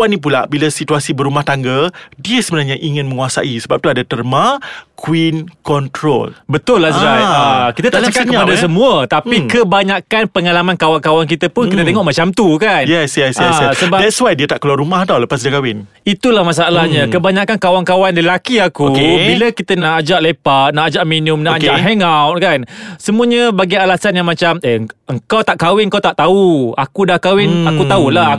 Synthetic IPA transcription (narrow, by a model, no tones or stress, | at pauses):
wanĩp̬ula̰ʔbilasit̪uasibəɾumaht̪aŋɡədiəsəbənarɲaʔiŋɪ̃nmə̃ŋuasa̰ʔisəbap̚t̪uadat̪ərmãkwinkɔnt̪ɾo̰lbət̪ʊlːahsɾajakit̪at̪at͡ʃəkat̚kəpadas̬əmũət̪apikəbaɲakanpəŋalamãnkawaŋkawank̬it̪apʊnkit̪ət̪eŋɔʔmat͡ʃamt̪ukanjɛsjɛsjɛsəbadɛtswajdiət̪aʔkəluaɾumahdawləpasdəkawɪn | it̪ulahmas̬aalahɲãkəbaɲakankawaŋkawanləlakiakukebilakit̪ənaʔːd͡ʒaʔlepat̪̚naʔad͡ʒaʔminʊmnaʔad͡ʒaʔɦeŋawt̪̚kansəmuəɲabaɡialasanjaŋmat͡ʃaməəŋkawt̪aʔkawɪŋkawt̪aʔt̪auakudahkawɪnakut̪aula